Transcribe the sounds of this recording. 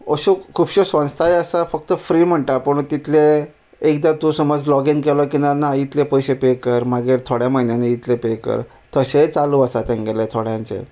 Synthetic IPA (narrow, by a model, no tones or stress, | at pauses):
əɕukʰuːbɕosʋə̃nst̪ʰajəsafək̚t̪əfɾiːm̤əɳʈapəɳt̪it̪ʰle | ekd̪at̪ũsəməd͡zlɔɡenkelɔkinanait̪lepəjɕepekəɾmaɡeɾt̪ʰoɽjam̤əɦinjaneit̪ʰlepekə̰ɾ | t̪əɕet͡saluəsat̪ẽŋɡelet̪ʰoɽjãnt͡sḛ